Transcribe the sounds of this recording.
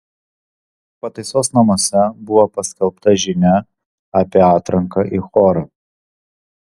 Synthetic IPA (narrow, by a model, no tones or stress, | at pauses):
pɐt̪ɐɪsoːsnɐmoːsʲɛbʊʋoːpɐsʲkʲɛlˠpt̪ɐʒʲɪnʲɛ | ɐpʲiːɑːt̪ɾɐŋkɐʔixɔːɾɐ